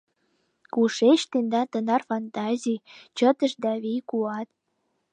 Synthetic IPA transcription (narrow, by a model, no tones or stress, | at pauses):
kuʃet͡ɕt̪end̪ɑnt̪ə̆nɑrfɑnt̪ɑzʲijt͡ɕət̪ə̆ʃd̪ɑβijkuɑt̪̚